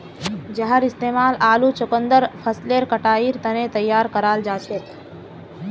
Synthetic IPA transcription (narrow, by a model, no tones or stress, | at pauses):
d͡ʒɐɦəɾɪst̪eːmaːlaːlut͡ʃʊkənd̪əɾpʰəsleːɾkəʈaːiːɾt̪ɐnet̪ɐjːaːɾkəɾaːld͡ʒaːt͡ʃʰeːt̪